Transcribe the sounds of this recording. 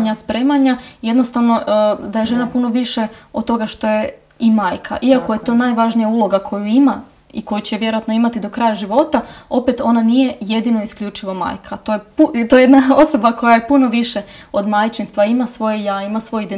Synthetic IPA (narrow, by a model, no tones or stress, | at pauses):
ɲaspɾe̞ːmaɲaje̞d̪no̞st̪aʋno̞d̪aje̞ʒe̞napuno̞ʋiʃeot̪t̪ːo̞ɡaʃt̪o̞je̞ | imaːjkʰa̰ʔiakoje̞t̪o̞najʋaʒnijaulˠo̞ɡakʰo̞juima | ḭko̞jut͡ɕeʋje̞ɾoat̪no̞imat̪id̪o̞kɾajaʒiʋo̞t̪ao̞pet̪o̞nanije̞je̞d̪inoiskʎut͡ʃiʋoma̰ːjkʰat̪ojeput̪ojeed̪nao̞so̞bako̞jajepuno̞ʋiʃeo̞d̪majt͡ʃinst̪ʋaimasʋo̞jejaimasʋo̞jid̪e